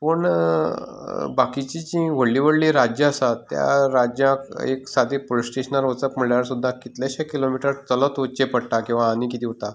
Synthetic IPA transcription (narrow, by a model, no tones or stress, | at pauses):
pəɳ | bakit͡ɕid͡ʑĩʋəɭːiʋəɽliɾad͡ʑjəːsat̪ja̰ɾad͡ʑjãkḛksad̪ʱipolisʈeɕənaɾʋət͡səkm̤əɭljaɾsud̪ʱːakit̪laɕakilomiʈɾəɾt̪ələt̪ot͡ɕepəɽʈakĩw̃ʋaːnikit̪ʰiɦot̪a